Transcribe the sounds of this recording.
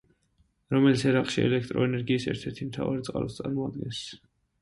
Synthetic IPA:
ɾɔmɛlit̪sʰɛɾaqʼʃiɛ̰lɛkʰt̪ʼɾɔɛnɛɾɡiːsɛ̰ɾt̪ʰɛɾt̪ʰimt̪ʰa̰vaɾɛt̪sʼqʼa̰lɔ̰st̪sʼaɾmɔad̪̚ɡɛns

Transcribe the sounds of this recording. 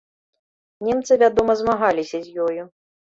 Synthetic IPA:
nʲɛmt̪sɨvʲad̪ɔmɐzmaɣalʲisʲɐzʲjɔju

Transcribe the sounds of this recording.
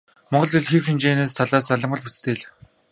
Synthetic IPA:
mɔɴɢɞ̆ɮĭɮxewʃint͡ɕeːneːst̪ʰaɮaːsaɮə̆mə̆ɮput͡st̪ʰeːɮɘ̆

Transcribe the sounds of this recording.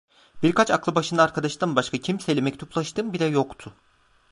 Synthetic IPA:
biɾkʰat͡ʃaklˠɯbaʃɯnd̪aːɾkʰad̪aʃt̪anbaʃkʰacʰimsɛlʲɛmɛc̚ʲt̪ʰuplˠaʃt̪ʰɯmbilʲɛjo̞kt̪ʰʊ

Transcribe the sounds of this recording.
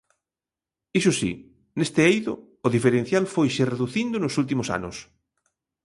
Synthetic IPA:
isʊsḭ | nest̪ɪejðʊː | ðifeɾẽn̟θjalfojʃereðuθind̪ʊnʊsult̪̬imʊsa̰nʊs

